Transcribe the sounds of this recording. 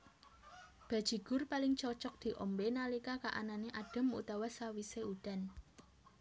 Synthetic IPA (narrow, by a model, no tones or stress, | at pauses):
b̥ä̤̥ʒ̥i̤ɡ̥ʊ̤rpalɪŋt͡ʃɔt͡ʃɔk̚d̪̥i̤ʔɔmbenalikakaʔa̰naneʔaɖ̥ə̤mṵt̪awasawiseud̪̥a̤n